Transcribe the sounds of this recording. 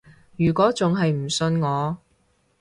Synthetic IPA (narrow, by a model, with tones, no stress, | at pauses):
jyː˨˩kʷɔː˨˥t͡sʊ˨˧ŋɦɐ˨jm̩˨˩sɵ˧nŋɔː˨˧